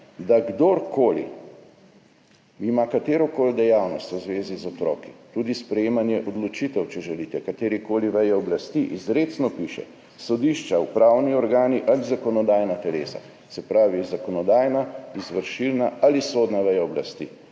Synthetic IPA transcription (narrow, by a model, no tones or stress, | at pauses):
d̪aɡd̪oɾkoːlḭ | imakat̪eːɾɔkold̪ɛjawnɔst̪wzʋeːzizɔt̪ɾɔ̰ːki̥t̪ud̪ispɾɛjeːmanjɛʔɔd̪lɔt͡ʃit̪ɛwt͡ʃɛʒɛlit̪ɛkat̪eːɾikoːliʋɛjɛɔblast̪iʔizɾet̪snɔpiːʃɛ̰ | sɔd̪iʃt͡ʃawpɾaːwniɔɾɡaːniʔalizakɔnɔd̪aːjnat̪ɛleːsa̰ | sɛpɾaːʋizakɔnɔd̪aːjnaizʋəɾʃilnaalisoːd̪naʋɛjaɔbla̰st̪ḭ